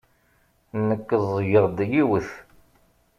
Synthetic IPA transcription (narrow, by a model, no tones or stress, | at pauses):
nəkːəðˤjəʁd̪jiwəθ